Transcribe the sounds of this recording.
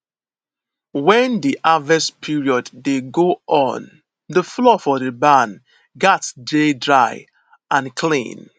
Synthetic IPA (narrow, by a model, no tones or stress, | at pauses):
wɛ̃ndiʔavɛspʰiɹiɔdːeɡoʔɔ̃n | dəflɔfɔðəbãn | ɡɛtd͡ʒedɹaɪ | ãnkʰlḭ̃n